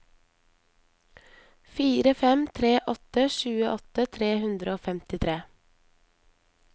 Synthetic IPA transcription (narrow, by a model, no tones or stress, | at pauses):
fiːɾəfɛmt̪ʰɾeːʔɔt̪əʃʉːəʔɔt̪ət̪ʰɾeːhʉnd̪ɾəoːfɛmt̪ɪt̪ʰɾeː